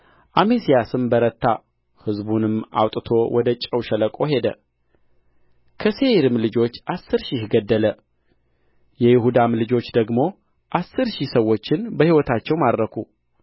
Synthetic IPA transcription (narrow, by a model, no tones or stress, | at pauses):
ʔamesijasɨmbəɾət̪ːa | hɨzbunɨma̰wt̪ʼɨt̪ʰo̞wʔɔd̪ət͡ʃʼəwʃɛləkʼo̞ɦe̞d̪ə | kʰəse̞ɾɨmlɨd͡ʒo̞t͡ʃːʔasːɨɾʃihɡəd̪ːələ | jɛjɪhud̪amlɨd͡ʒo̞t͡ʃːd̪əɡmo̞ | ʔasːɨɾʃihsəwːo̞t͡ʃːɪnbəhiwɔt̪ʰat͡ʃːɛwmad̪ɾəkʰu